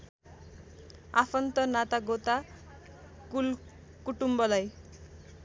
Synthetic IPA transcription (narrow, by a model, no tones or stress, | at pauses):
a̰pʰʌnt̪ʌnat̪aɡot̪a | kul | kuʈumbʌlaj